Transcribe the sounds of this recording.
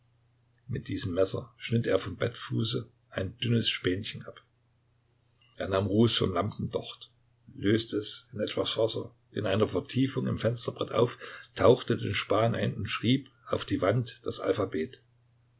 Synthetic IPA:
mɪt̚d̥iːzəmːɛsɐ̰ʃnɪteːɐfɔmbɛtfuːsə | ʔaɪnd̥ʏnəsʃpɛːnçən̩ʔap | ʔeːɐnaːmʁuːsfɔ̰mlampn̩dɔχt | løːstəɛsɪnʔɛtv̥asfɔsɐ | ʔɪ̰nʔaɪnɐfɛɐtʰiːfʊŋɪ̰mfɛnstɐb̥ʁɛtʔa̰ʊftʰaʊxtədḛːnʃpaːnʔa̰ɪnʊntʃʁ̥iːpʔaʊfd̥iːvantd̥asʔa̰lfabeːt

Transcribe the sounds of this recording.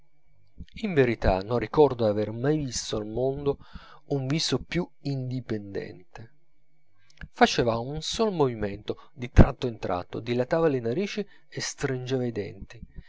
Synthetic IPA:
iɱveɾit̪a̰nonːikɔrd̪oavermajvist̪oalmond̪o | uɱviːsopjuind̪ipend̪ɛ̰nt̪e | fat͡ʃɛːvaunsolmoviment̪od̪it̪ɾʔa̰t̪ːoint̪ɾa̰t̪ːo̰d̪ilat̪aːvalenaɾiːt͡ʃi | est̪ɾind͡ʒeːvaid̪ɛ̰nt̪i

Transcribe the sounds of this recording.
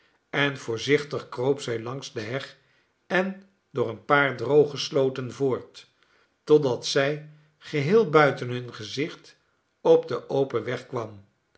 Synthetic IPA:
ɛnvʊːɹzɪχtəχkrowpsɛjlɑŋsdəɦɛχ | ɛn | dʊːɹənpaːɹdrowχəslowtənvʊːɹtː | ɔdɑtsɛj | χəɦɪːlˠbœɥtənɦɵnχəzɪχt | ɔb̚dəʔowpəʋɛχkʋɑm

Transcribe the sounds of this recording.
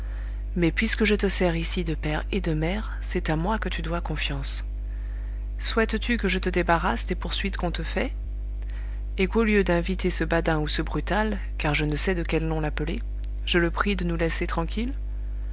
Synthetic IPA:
mɛpɥiskəʒət̪əsɛʁisid̪əpɛʁed̪əmɛʁ | sɛt̪amwakət̪yd̪wakɔ̃fjɑ̃s | swɛt̪t̪ykəʒət̪əd̪ebaʁasd̪epuʁsɥit̪kɔ̃t̪əfɛ | ekoljød̪ɛ̃vit̪esəbad̪ɛ̃usəbʁyt̪al | kaʁʒənəsɛd̪əkʲɛlnɔ̃lapəle | ʒələpχid̪ənulɛset̪χɑ̃kʲil

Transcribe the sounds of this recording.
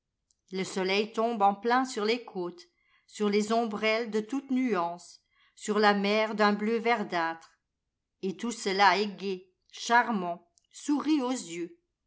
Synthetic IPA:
ləsɔlɛjt̪ɔ̃bɑ̃plɛ̃syʁlekʰoːt̪ | syʁlezɔ̃bʁɛld̪ət̪ut̪nyɑ̃sː | yʁlamɛʁd̪ɛ̃bløvɛʁd̪at̪χ | et̪usəlaɛɡe | ʃaʁmɑ̃ | suʁiozjø

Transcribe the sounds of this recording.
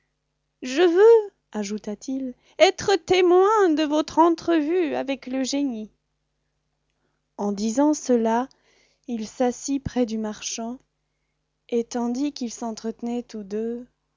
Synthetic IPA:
ʒəvø | aʒut̪at̪ʰil | ɛt̪χət̪emwɛ̃d̪əvɔt̪χɑ̃t̪χəvyavɛkləʒeni | ɑ̃d̪izɑ̃səla | ilsasipχɛd̪ymaʁʃɑ̃ | et̪ɑ̃d̪ikilsɑ̃t̪χət̪ənɛt̪ud̪ø

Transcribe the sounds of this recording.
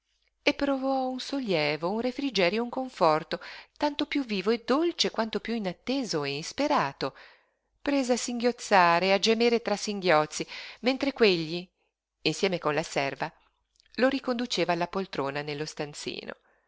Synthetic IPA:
epːɾovɔunsoljɛːvounrefɾid͡ʒɛːɾjouŋkoɱfɔrt̪ot̪ant̪opjuvːiːvoed̪ːolt͡ʃekwant̪opjuinat̪ːeːzoeispeɾaːt̪o | pɾeːzeasiŋɡjot̪sːaːɾead͡ʒemeːɾet̪ɾasiŋɡjɔt̪sːiment̪ɾekweʎːi | insjɛːmekonlasɛrva | loɾikond̪ut͡ʃeːvaːlːapolt̪ɾoːnanelːost̪ant̪sḭːno̰

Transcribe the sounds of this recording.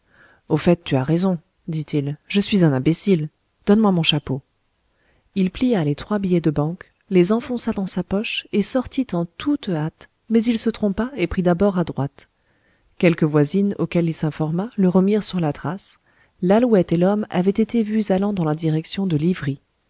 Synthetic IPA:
ofɛt̪ːyaʁezɔ̃ | d̪it̪ʰilʒəsɥizɛ̃nɛ̃besil | d̪̥ɔnmwamɔ̃ʃapo | ilplijalet̪χwabijɛd̪əbɑ̃k | lezɑ̃fɔ̃sad̪ɑ̃sapɔʃesɔʁt̪it̪ɑ̃t̪ʰut̪at̪ | mɛzilsət̪χɔ̃paepχid̪abɔʁad̪ʁwat̪ | kʲɛlkəvwazinokʲɛlilsɛ̃fɔʁmaləʁəmiʁsyʁlat̪χas | lalwɛt̪elɔma̰vɛt̪et̪evyzalɑ̃d̪ɑ̃lad̪iʁɛksjɔ̃d̪əlivʁi

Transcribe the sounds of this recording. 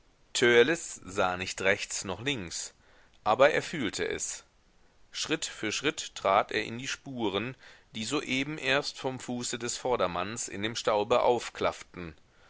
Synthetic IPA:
tʰøɐlɪsz̥aːnɪçtʁɛçt͡snɔχlɪŋks | ʔaːbɐʔeːɐfyːltʰə̰ʔɛ̰s | ʃʁ̥ɪtfyːɐʃʁ̥ɪttʁ̥aːtʔeːɐʔɪ̰ndiːʃpuːʁ̞ənd̥iːzoːʔeːbm̩ʔeːɐstfɔmfuːsədɛsfɔɐɾɐmansɪ̰ndeːmʃtaʊbəʔa̰ʊfkʰl̥aftn̩

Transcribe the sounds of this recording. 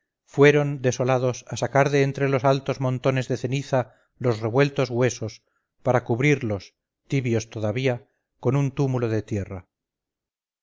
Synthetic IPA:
fwe̞ɾo̞nd̪e̞so̞lað̞o̞sasakaɾðe̞ːnt̪ɾe̞lo̞salt̪o̞zmõ̞nt̪o̞ne̞zðe̞θe̞niθa | lo̞zre̞βwe̞lt̪o̞zɣwe̞so̞s | paɾakuβɾiɾlo̞s | t̪iβjo̞st̪o̞ðaβia | ko̞nunt̪umulo̞ðe̞t̪je̞ra

